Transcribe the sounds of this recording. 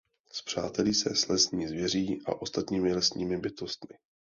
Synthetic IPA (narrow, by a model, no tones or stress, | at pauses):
spr̝̥a̰ːt̪ɛliːsɛslɛsɲiːzvjɛriːʔa̰ʔo̞st̪at̪ɲiːmɪlɛsɲiːmɪbɪt̪o̞st̪mɪ